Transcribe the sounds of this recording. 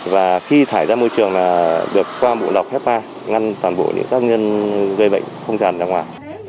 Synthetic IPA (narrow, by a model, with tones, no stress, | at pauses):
vaː˨˩xi˧t̪ʰaː˧˩jzaː˧mo˧jt͡ɕɨ˨˩əŋlaː˨˩ɗɨ˨˩əkːwaː˧mṵ˧˨ɗa˨˩wk͡p̚hɛ˦˥p̚maː˧ | ŋa˧nt̪waː˨˩nɓo̰˧˨ɲʔɨ̰˧˥ŋkaː˦˥k̚ɲə˧nɣə˧jɓə̰˧˨jŋ̟xə˧wŋ͡mzaː˨˩nzaː˧ŋwaː˨˩j